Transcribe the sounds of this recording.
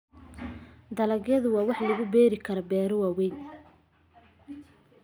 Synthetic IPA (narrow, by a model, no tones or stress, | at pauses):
d̪ɐlɐɣjɐðʊwɑːwɑħlɐɣʊbɛːɾɪkʰɐɾɔbɛːɾɔwɑːwɛjn